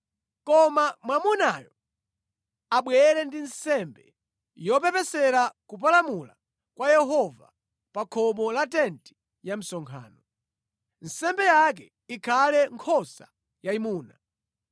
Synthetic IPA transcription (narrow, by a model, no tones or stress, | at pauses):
kɔmamwamunajɔ | aɓwɛɾɛndinsɛmbɛ̰ | jɔpɛpɛsɛɾakup̬alamula̰ | kwajɛɦɔva̰ | pakʰɔmɔlatɛnti̥ | jam̩sɔŋkʰa̰ːnɔ | n̩sɛmbɛjak̬ɛ | ikʰalɛŋkʰɔsa | jaimuːna